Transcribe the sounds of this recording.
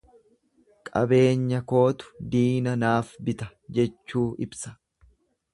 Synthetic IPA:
kʼɐ̰be̞ːɲːɐko̞ːt̪ʊ̥d̪iːnɐnaːfbɪt̪ɐd͡ʒɛt͡ʃːuːʔɪbsɐ̥

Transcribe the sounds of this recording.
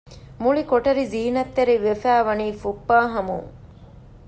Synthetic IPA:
muɭikoʈɐɾiziːnɐt̪ːeɾiʋefæːʋɐniːfupːaːɦɐmṵŋ

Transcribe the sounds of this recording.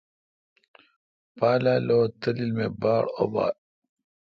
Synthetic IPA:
paːlaːlot̪ɐlilmebaːɽo̰ba̰ː

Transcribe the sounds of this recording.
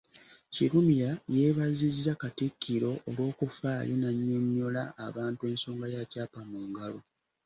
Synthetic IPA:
ciɾumiɾaje̞ːβazizːakatikʰːiɾo̞ʔolwo̞ːkufaːjʔonaɲːo̞ɲːo̞laːβaːntue̞ːnso̞ːŋɡajacaːpamuːŋɡalo̞

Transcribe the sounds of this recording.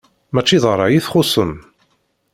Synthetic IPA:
mæt͡ʃːiðˤəɾˤːɑjiθχʊsˤəm

